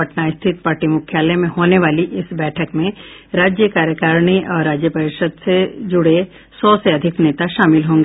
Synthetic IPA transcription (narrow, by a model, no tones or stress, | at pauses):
ɐʈnaɪst̪ʰɪt̪̚paːɾʈimʊkʰjaːlɛmẽɦoːneʋaːliʔɪsbɛːʈʰəkmẽɾaːd͡ʒjəkaːɾjəkəɾniʔɔːɾːaːd͡ʒjəpɐɾɪʃəd̪sed͡ʒʊɽe | sɔːseɐd̪ʱɪkneːt̪aʃaːmɪlɦõːŋɡeː